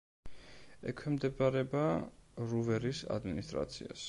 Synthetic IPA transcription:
ɛkʰwɛmd̪ɛbaɾɛbaɾuvɛɾisa̰d̪minist̪ʼɾa̰t̪sʰḭa̰s

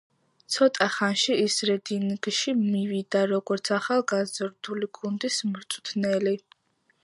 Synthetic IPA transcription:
t̪sʰɔt̪ʼaχanʃiːsɾɛd̪inɡʃimivid̪aɾɔɡɔɾt̪sʰaχalˠɡazɾd̪̥uliɡund̪ismɾt̪sʼt̪ʰnɛli

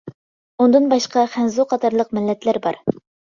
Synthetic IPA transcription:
und̪ɨnbɑʃqɑχænzuqʰɑt̪ʰɑɾlˠəq̚mɪlːɛt̪ʰlæɾbɑ̰ɾ

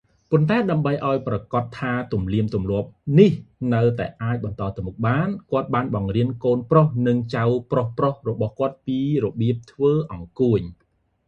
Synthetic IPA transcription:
pont̪aɛɗaəmɓəjʔaɔjprɑkɑt̪ʰːaːt̪umliəmt̪umlŏəp̚nihnɨwt̪aɛʔaːc̚ɓɑnt̪ɑːt̪ɨmok̚ɓaːnkŏət̪̚ɓaːnɓɑŋriənkoːnprohnɨŋt͡ɕawprohprohrɔɓɑhkŏət̪̚piːrɔɓiəp̚t̪ʰʋəːʔɑŋkuəɲ

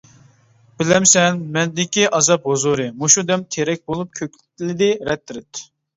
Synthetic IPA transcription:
b̥ɪlɛmsɛnmɛnd̪ɪkʲiʔɑzɑp̚hozuɾɨmuʃud̪ɛmt̪ʰeɾɛk̚ʲbolˠup̚kʲʰøk̚ʲlt̪ʲlɪd̪ɪɾɛt̪ːɪɾɪt̪

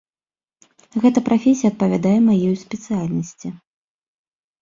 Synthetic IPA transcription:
ɣɛt̪ɐpɾʔafʲesʲijɐːt̪̚pɐvʲad̪ajɛmajɛjusʲpʲɛt̪sɨjalʲnɐsʲt͡sʲi

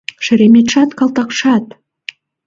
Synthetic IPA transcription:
ʃɘ̆ɾemʲet̪ʃɑt̪kɑlˠt̪ɑqʃɑt̪

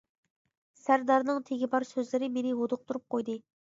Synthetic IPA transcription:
sæɾd̪ɑɾnɨŋt̪ʰeɡʲibɑɾsøzlɪɾɪmenɪɦod̪ʊq̚t̪ʰuɾup̚qʰojd̪ɨ

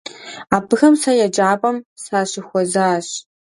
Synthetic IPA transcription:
aːpʰɨxɐmsajɛd͡ʒʼaːpʼɐmsaːɕɪxʷɔzaːɕ

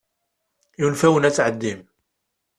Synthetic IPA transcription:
junfæwənæt͡sːʕəd̪ːim

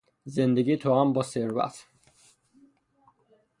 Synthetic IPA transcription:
zend̪eɡit̪ʰoambɔseɾva̰t̪ʰ

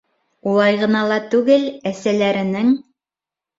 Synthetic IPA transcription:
ulˠɑjʁɤ̆nɑlˠɑt̪ʉɡɘlæsælæɾɘ̆nɘŋ

